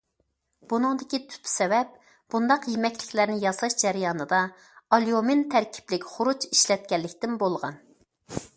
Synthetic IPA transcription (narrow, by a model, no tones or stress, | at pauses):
b̥unɨŋd̪ɪkʲit̪ʰy̥t̪ʰːsɛvɛp̚ | b̥und̪ɑqjimɛkʲlɪkʲlæɾnɪjɑzlˠɑʃd͡ʒæɾɪjɑːnɨd̪ɑ | ɑlˠjomɪnt̪ʰæɾkʲʰi̥plɪkʲχʊɾut͡ʃiʃlɛt̪̚kʲɛlːɪkʲt̪ɪnbolˠʁɑ̰n